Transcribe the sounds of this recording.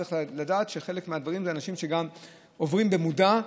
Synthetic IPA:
eladaːtʃe̞χe̞lekmead̪vaʁimzeanaʃimʃeɡam | o̞vʁimbe̞muda

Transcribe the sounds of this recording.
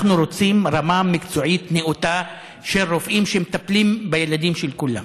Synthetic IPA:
χnuɾo̞t͡simɾamamikt͡soʕitneʔut̪a | ʃeʁofʔimʃemet̪aplimbejelad̪imʃelkula̰m

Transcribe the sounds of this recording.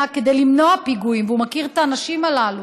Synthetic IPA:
ake̞d̪e̞jlimno̞apiɡuimveumakiʁet̪aːnaʃimalalu

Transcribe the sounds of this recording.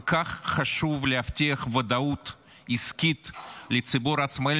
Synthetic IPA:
kaχːaʃuvleaft̪ʲiɐχvɐd̪aut̪ | iskʲit̪lɪt͡sibuɾasma

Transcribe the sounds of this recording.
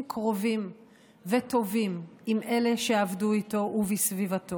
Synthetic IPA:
mkʰʁo̞vim | veto̞vimimʔe̞le̞ʃeavduito̞ʔuvisvivato

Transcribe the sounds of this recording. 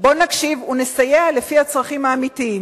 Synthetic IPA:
bo̞nakʃivunesajeale̞fihat͡sʁaχimaːmitiim

